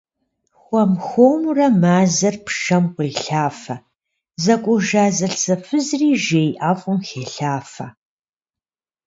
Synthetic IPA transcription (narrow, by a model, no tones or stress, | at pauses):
xʷɔmxʷoːmurɐmaːzɐrpʰʃɐmqʷʊɮɬaːfɐ | zɐkʷʼʊʒaːzɐɬsɐfɨzriːʒeːjʔaːfʼʊmxeːɬaːfɐ